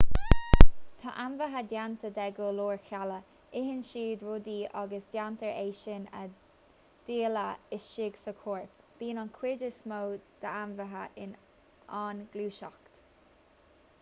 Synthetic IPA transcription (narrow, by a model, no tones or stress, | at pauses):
t̪ʰɑ̰ʔanvəɦəd̪jant̪əd̪ɛɡoloːɹkʰalə | ɪɦɪnʃiːd̪ɹʊd̪iːɑɡəsd̪jant̪əɹeːʃɪnə̰ | d̪̥iːləɪsʃɪɡsəkʰoːɹpb̥iːnɑnkʰw̥ɪdəsmoːd̪̥əanvəɦəʔɪn | aːnɡluːʃɔkt̪